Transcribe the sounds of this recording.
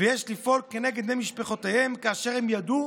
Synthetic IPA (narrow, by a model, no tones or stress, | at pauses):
vejɛʃlifoɾkːenɛɡed̪nemiʃpeχot̪ehɛmkaaʃɛɾhɛmjad̪u